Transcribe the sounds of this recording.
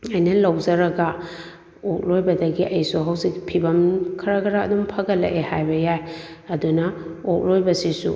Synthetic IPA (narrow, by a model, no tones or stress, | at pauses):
ɐjnɐlɐwzɐɾɐɡɐ | ok̚lojbɐdɐɡiʔɐjsuɦawzik̚pʰibɐmkʰɐɾɐkʰɐɾaɐ̰dumpʰɐɡɐlːḛʔehajbɐjajɐdunɐok̚lojbɐsisṵ